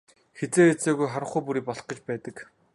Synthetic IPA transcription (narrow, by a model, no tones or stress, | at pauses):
xet͡seːet͡seːɣujχaɾə̆χuːpuɾiːpɔɮχɞ̆t͡ɕpæːt̪ə̆k